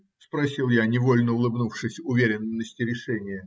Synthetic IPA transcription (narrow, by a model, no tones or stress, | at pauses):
spɾɐsʲilˠjanʲɪvo̞lʲnəʊlˠɨbnufʂɨsʲʊvʲeɾʲɪnːəsʲtʲɪɾʲɪʂɛnʲɪjə